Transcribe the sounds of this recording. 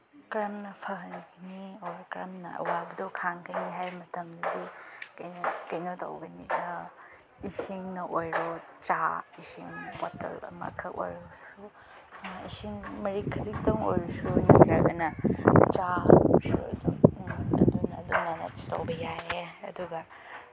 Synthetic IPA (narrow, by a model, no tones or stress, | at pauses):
kɾɐmnɐpʰɐɦɐnnioɾkɾɐmnɐɐ̰wabɐdɐwkʰaŋkʰɐjniɦajmɐtɐmdudikɐnkɐjnotɐ̰wɡɐni | isiŋnɐʔojɾot͡ʃaisiŋpotḛlɐ̰mɐ̰kʰɐko̰jɾosu | ḭsiŋmɐɾikʰːɐziktoŋo̰jɾusunikɾɐɾɡɐnɐt͡ʃasṵɐ̰duɐ̰dunɐ̰dunːɐnḛtstowbɐjaɦeɐ̰duɡɐ